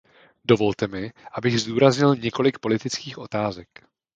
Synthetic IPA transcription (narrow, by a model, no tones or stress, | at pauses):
do̞vo̞lt̪ɛmɪʔabɪɣzd̪uːɾazɲɪlɲɛko̞lɪk̚po̞lɪt̪ɪt͡skiːxʔo̞t̪aːzɛk